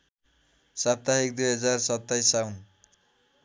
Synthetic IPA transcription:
sap̚t̪aɦik̚d̪ujɦʌd͡zarsʌt̪ːajsːawn

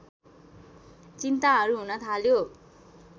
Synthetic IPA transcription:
t͡sint̪aɦʌɾuɦunʌt̪ʰaljo

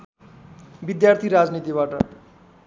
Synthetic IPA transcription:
bid̪jart̪ʰiɾad͡znit̪iβaʈʌ̰

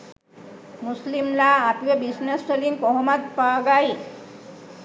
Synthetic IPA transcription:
muslimlaːpʋebisnasːeliŋkɔɦmad̪paɡai

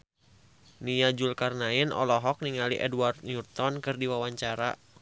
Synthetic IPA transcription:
niad͡ʒulkarnainʔɔ̰lɔɦɔk̚niŋaliʔɛdwart̪̚ɲurt̪ɔnkɨrdiwawaɲt͡ʃaɾa

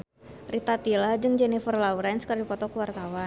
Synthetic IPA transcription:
rit̪at̪ilad͡ʒɨŋd͡ʒɛnifərlauɾajnskərdipɔt̪ɔkuwart̪awa

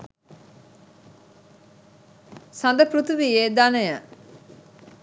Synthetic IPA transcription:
sand̪əpɾut̪uʋijeːd̪anəjə

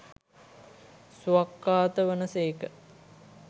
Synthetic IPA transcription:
suakːaːt̪əʋənəseːkə

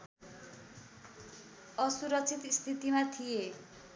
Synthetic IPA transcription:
ʌsuɾʌk̚t͡sʰit̪st̪ʰit̪imat̪ʰije

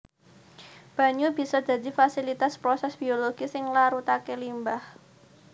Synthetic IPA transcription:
b̥a̤ɲub̥i̤sɔd̪̥ä̤d̪i̤fasilit̪aspɾosɛsb̥ioloɡ̥isɪŋlaɾut̪akelimbah

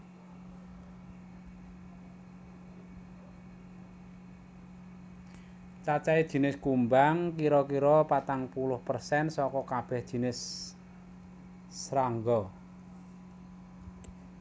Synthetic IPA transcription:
t͡ʃat͡ʃaid̥ʒ̥i̤nɪskumbaŋkiɾɔkiɾɔpat̪aŋpulʊhpərsɛnsɔkɔkab̥ɛhd̥i̤nɪs | ɾaŋɡɔ

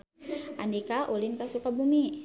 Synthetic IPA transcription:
ʔandikaʔulɪnkasukabumi

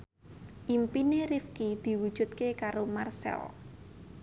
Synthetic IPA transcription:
ʔimpineɾifkid̪̥i̤wud̥ʒ̥ṳt̪̚kekaɾomarsɛ̰l

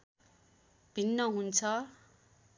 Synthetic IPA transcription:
b̥ʱinːʌɦunt͡sʰʌ

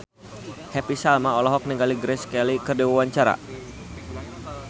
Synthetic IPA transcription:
hɛpisalmaɔlɔɦɔk̚niŋɡaliɡɾɛskɛlikərdiwawaɲt͡ʃaɾa̰

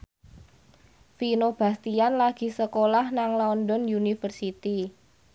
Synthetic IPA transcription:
finob̥a̤st̪ianlaɡ̥i̤səkolahnaŋlaɔndɔnjunifərsit̪i

